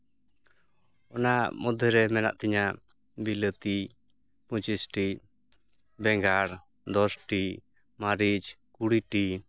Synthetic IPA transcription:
ɔnamɔd̪ʱɛɾɛmɛna̰ʔt̪ɛɲaʔ | bilət̪i | put͡ʃisʈi | bɛŋɡaɾ | d̪ɔsʈi | maɾid͡ʒkuɽiʈi

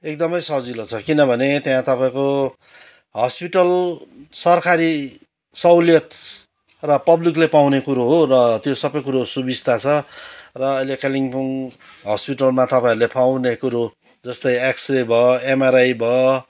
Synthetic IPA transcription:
ek̚d̪ʌmʌjsʌd͡zilot͡sʰʌkinʌbʱʌnet̪jãt̪ʌpaĩko | ɦʌspiʈʌlsʌrkaɾi | sʌwlijʌt̪ | rʌpʌbliklepawnekuɾoɦorʌt̪josʌbʌjkuɾosubist̪ʰat͡sʰʌrʌʌjlekeliŋpuŋ | ɦʌspiʈʌlmat̪ʌpãĩɾulepawnekuɾo | d͡zʌst̪ʌjeksrebʱʌemaɾajbʱʌ

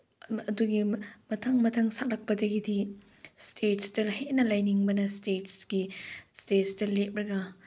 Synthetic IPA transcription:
ɐduɡimɐtʰaŋmɐtʰaŋsak̚lɐk̚pɐdɐɡidi | stʰetstɐhetnɐlajniŋbɐnɐstetsɡ̥istetstɐlet̚ɾɐɡɐ

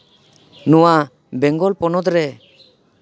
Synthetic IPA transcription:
nuwa | bɛŋɡɔlpɔnɔd̪ɾɛ

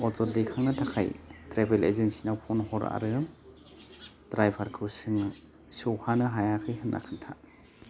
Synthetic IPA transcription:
ɔt͡ʃɔɾdekʰaŋnɯtʰakʰa̰jtɾebelḛzensinawpʰɔnɦɔɾa̰ɾɯ | d̥ɾajbʱʰaɾkʰɯwsɯŋ | sɯwhanɯɦajakʰɯjɦɯnʔa̰kʰɯntʰa

